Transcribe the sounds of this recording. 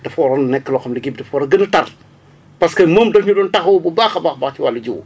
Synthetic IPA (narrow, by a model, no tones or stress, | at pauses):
d̥ɐfɔːɾɐnnɛkːəlɔxɐmdɐɡib̚dɐfɔːɾɐɡɐnətɐr | pɐskɐməːmdɔfɲudɔːntɐxɐwbubaːxɐbaːxbɐxciwɐlːɐɟuw